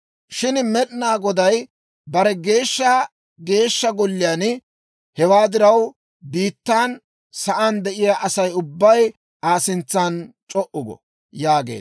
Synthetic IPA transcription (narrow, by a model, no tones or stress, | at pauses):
ʃɪnmɛɗnaːɡɔd̪ɐj | bɐɾɛɡe̞ːʃːɐ | ɡe̞ːʃːɐɡɔlːɪjaːn | hɛwaːd̪ɪɾɐw | biːt̪ːaːn | sɐʔand̪ɛʔɪjaʔɐsɐjʊbːɐj | ʔaːsɪnt͡sːaːnt͡ʃʼɔʔʊɡɔ̰ | jaːɡe̞̰ː